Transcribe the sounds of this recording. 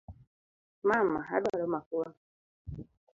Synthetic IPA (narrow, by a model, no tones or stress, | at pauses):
mammaɦa̰dwaɾɔmakuwa